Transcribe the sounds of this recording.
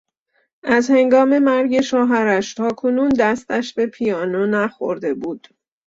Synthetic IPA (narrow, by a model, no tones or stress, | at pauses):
ʔæzhe̞ŋɡɒːme̞mæɾɟe̞ʃɒːɦæɾæʃt̪ʰɒːkʰonuːnd̪æst̪æʃbe̞pʰijɒːnonæxo̰ɾd̪e̞buːd̪̥